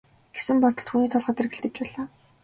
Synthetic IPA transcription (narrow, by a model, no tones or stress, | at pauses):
ɡ̥esɘ̆mpɔt̪ɞ̆ɬt̪xuːniːt̪ʰɔɮʁə̆ːt̪erɡĕɬt̪ɘ̆t͡ɕpæːɮaː